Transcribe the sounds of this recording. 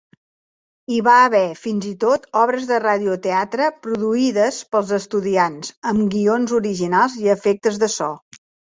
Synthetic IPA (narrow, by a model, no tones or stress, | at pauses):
iβaəβɛfinzit̪ot̪ɔβɾəzðəraðiut̪eat̪ɾəpɾuðuiðəspəlˠzəst̪uðianzəmɡionzuɾiʒinalˠziəfek̚t̪əzðəsɔ